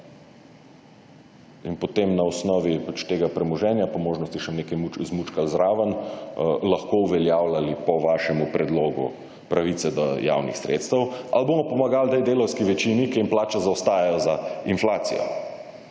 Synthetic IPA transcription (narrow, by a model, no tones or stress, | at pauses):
inpɔt̪emnaɔsnɔːʋipat͡ʃt̪eːɡapɾɛmɔʒɛːnjapɔmoːʒnɔst̪iʃɛneːkajmuzmut͡ʃkazɾaːʋən | lɐxkouʋɛljawlalipɔʋaːʃɛmupɾɛd̪loːɡṵ | pɾaʋit̪sɛd̪ɔja̰wnḭxsɾḛːt̪st̪əwa̰lboːmɔpɔmaɡalt̪ejd̪eːlɔwskiʋɛt͡ʃinikɛinplaːt͡ʃɛzaɔst̪aːjɛjɔzainflaːt̪sḭjɔ̰